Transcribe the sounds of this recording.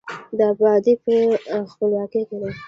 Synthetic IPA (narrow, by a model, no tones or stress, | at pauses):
d̪əabɑd̪ipəxpəljɑkekena